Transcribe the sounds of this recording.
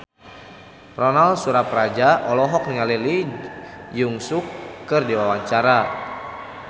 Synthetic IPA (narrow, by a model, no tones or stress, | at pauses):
rɔnalsuɾaprad͡ʒaɔlɔɦɔk̚niŋalili | juŋsukːɨrdiwawaɲt͡ʃaɾa